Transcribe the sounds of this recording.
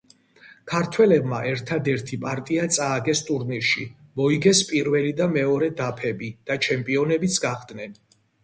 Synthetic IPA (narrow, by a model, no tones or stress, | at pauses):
kʰaɾt̪ʰwɛlɛbmaʔɛɾt̪ʰad̪ɛɾt̪ʰipʼaɾt̪ʼiat̪sʼaːɡɛst̪ʼuɾniɾʃimɔiɡɛspʼiɾvɛlid̪amɛɔɾɛd̪apʰɛbid̪̥at͡ʃʰɛmpʼiɔnɛbit̪sʰɡaχd̪nɛn